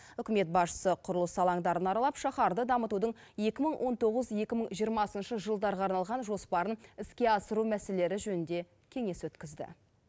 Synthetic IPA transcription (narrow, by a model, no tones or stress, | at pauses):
ʏkʲɪme̞t̪̚bɑsʃə̥səqʰʊɾəlˠəsɑlˠɑɴd̪ɑɾənɑɾɑlˠɑpʃɑχɑɾd̪əd̪ɑmət̪ud̪əɴ | je̞kʲɪməɴwʔo̞nt̪o̞ʁəzje̞kʲɪməɴʒijəɾmɑsənʃəʒəlˠd̪ɑɾʁɑɑɾnɑlˠʁɑnʒo̞spɑɾənɪskʲe̞ɑsəɾumæse̞le̞ɾɪʒɵnɪnd̪e̞ | kʲʰe̞ŋe̞swɵt̪kʲɪzd̪ɪ̰